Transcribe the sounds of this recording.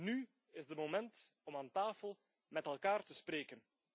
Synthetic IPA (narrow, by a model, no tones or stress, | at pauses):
ny | ɪzdəmomɛntɔmaːntaːfəlˠ | mɛtɛlˠkaːrtəspɾeːkən